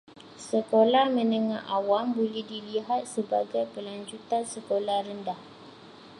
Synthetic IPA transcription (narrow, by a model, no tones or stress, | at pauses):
səkolahmə̃nəŋahawambolɛhdiliɦat̪̚səbaɡajpəlaɲd͡ʒut̪ansəkolahɾəndah